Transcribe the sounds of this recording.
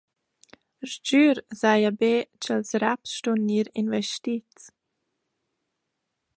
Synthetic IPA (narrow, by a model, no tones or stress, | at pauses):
ɾd͡ʒyːɾzajabeːt͡ʃəlsɾapsʃtunːiːɾinvɛʃtit͡st͡s